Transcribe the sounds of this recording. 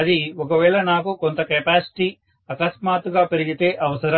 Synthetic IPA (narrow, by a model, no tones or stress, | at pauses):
ɐd̪iɔkɐʋɛːɭɐnaːkukont̪ɐkɛːpaːsi̥ʈiː | ɐkɐsmaːt̪uɡaːpeɾiɡit̪e̞ːʔɐʋɐsɐɾɐ